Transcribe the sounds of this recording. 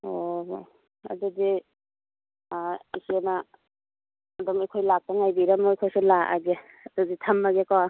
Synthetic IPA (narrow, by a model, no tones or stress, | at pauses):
o | a̰dudi | isena | dɔmejkʰojlak̚paŋajbiɾamɔejkʰojsulaʔa̰ɡe | aduzitʰamːaɡekawa